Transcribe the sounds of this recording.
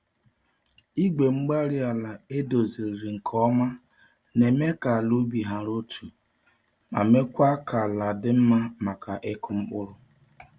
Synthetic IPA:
i˦ɡ͡be˨ŋ͡m̩˦ɡ͡ba˦ɾi˦a˨la˨e˦do˨ze˨ɾɾi˨ŋ̩˨kʰɔ˦ma˦ | ne˨me˦ka˨a˨lu˦bi˨ɦa˨ɾo˦tʰu˨ | ma̰˨me˦kʷa˦kʰa˨la˨dɪ˦m̩˦ma˦ma˨ka˨ʔɪ˦kʊ˦ŋ͡m̩˦k͡pʊ˦ɾʊ˦

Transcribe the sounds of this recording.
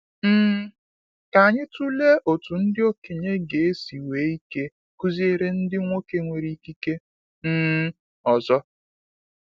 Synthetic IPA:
m̩˦ | ka˨a˨ɲɪ˦tu˦le˦ʔo˨tu˨n̩˦dɪ˦o˦ke˨ɲe˦ɡe˨e˦si˨weː˨˦i˦ke˦ | ku˦zi˦e˦ɾe˦n̩˦dɪ˦ŋʷo˦ke˦ŋʷe˨ɾi˦ki˦ke˦ | m̩˦ | ɔ˨zɔ˦

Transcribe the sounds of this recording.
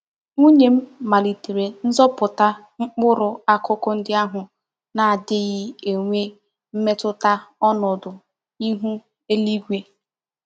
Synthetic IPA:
u˦ɲe˨m̩˦ma˨li˨te˨ɾe˨n̩˦zɔ˦pʊ˨ta˦ | ŋ͡m̩˦k͡pʊ˦ɾʊ˨a˦kʊ˦kɔ˦n̩˦dɪ˦a˦ɦʊ˨ | na˨a˨dɪ˦ɣɪ˦e˨ŋʷe˦ | m̩˦me˦tʊ˦ta˦ɔ˦nɔ˨dʊ˨ | i˦ɦu˦ | e˦li˦ɡʷe˦

